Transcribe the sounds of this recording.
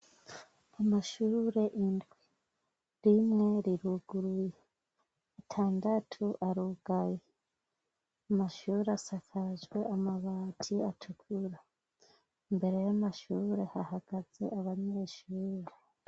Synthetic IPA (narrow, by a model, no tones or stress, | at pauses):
amaʃuːɾe̞ʔindɡwi | ɾimŋe̞ɾiɾuɡuɾujeː | tʰaːndatʰuʔaɾuɡ̥aje | amaʃuːɾeasakʰaʒɡwe̞ʔamaβaːtʰiatʰukʰuɾa | mbe̞ɾe̞jamaʃuːɾe̞hahaɡ̥az̥e̞̰aβaɲe̞ːʃuːɾe